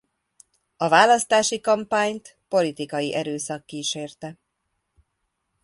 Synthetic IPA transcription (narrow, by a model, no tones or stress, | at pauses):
ɒvaːlɒst̪aːʃikɒmpaːɲt̪ | po̞lit̪ikɒjiʔɛɾøːsɒkːiːʃeːrt̪ɛ